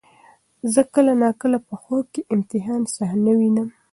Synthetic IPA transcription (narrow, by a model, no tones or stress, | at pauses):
zəkəlanɑkəlapəxob̚keʔɪmt̪ɪɦɑnsahnawinəm